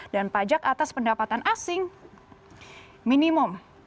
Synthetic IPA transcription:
danpad͡ʒakat̪aspəndapat̪anʔasɪŋ | minimʊm

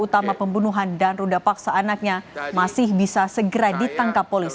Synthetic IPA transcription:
ut̪amapəmbunuɦandanrudapaksaːnak̚ɲamasɪhbisasəɡəɾadit̪aŋkapːolis

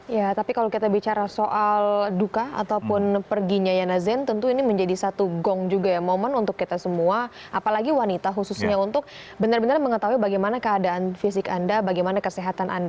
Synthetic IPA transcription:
jat̪apikalawkit̪abit͡ʃaɾasoʔaldukaa̰t̪aupʊnpərɡiɲajanazɛnt̪ənt̪uiniməɲd͡ʒadisat̪uɡɔŋd͡ʒuɡajamomənunt̪ʊkːit̪asəmua | apalaɡiwanit̪aɦususɲaunt̪ʊk̚ | bənarbənarməŋət̪aɦuibaɡajmanakəadaanfisɪkandabaɡajmanakəseɦat̪anʔa̰nda

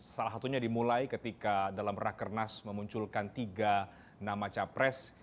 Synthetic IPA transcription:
salasat̪uɲadimulajkət̪ikadalamrakərnasməmuɲt͡ʃulkant̪iɡa | namat͡ʃapɾɛs

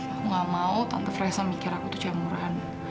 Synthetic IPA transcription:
ŋamaut̪a̰nt̪afraɛsamikɪɾakut̪ut͡ʃamuɾaɦan

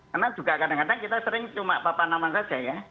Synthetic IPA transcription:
kərnad͡ʒ̥uɡaʔkadaŋkadaŋkit̪asəɾɪŋt͡ʃumaʔpapanamansḁd͡ʒ̥aja

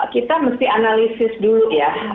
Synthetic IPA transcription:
kit̪aməst̪ianalisɪsduluja

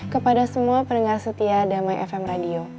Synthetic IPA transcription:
kəpadasəmuapənəŋarsət̪iadamajʔɛ̰fɛmradio

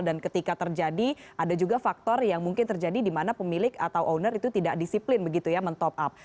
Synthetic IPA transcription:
dankət̪ikat̪ərd͡ʒadiʔadad͡ʒuɡafak̚t̪ɔrjaŋmuŋkɪnt̪ərd͡ʒadidimanapəmilɪka̰t̪awʔonərit̪ut̪idaʔdisiplɪnbəɡit̪ujamənt̪ɔp̚ʔap̚

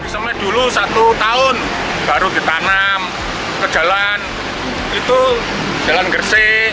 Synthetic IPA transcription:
d̥isəmɛd̪̥ulusat̪ut̪aʊn | b̥aɾud̪̥i̤t̪anam | kə̥d͡ʒ̥a̤lan | it̪u̥ | d͡ʒ̥a̤lanɡərsɪ

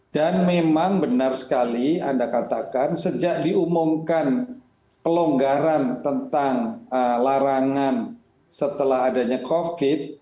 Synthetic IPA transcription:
d̥anmemaŋbənarsə̥kalia̰ndakat̪akansəd͡ʒaʔdiumʊmkan | pəloŋɡaɾant̪ənt̪aŋəlaɾaŋan | sət̪əlaɦadaɲakofɪt̪̚

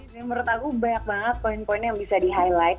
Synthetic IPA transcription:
məɾʊt̪akubaɲak̚baŋət̪̚poɪnpoɪnjaŋbisadiɦajlajt̪

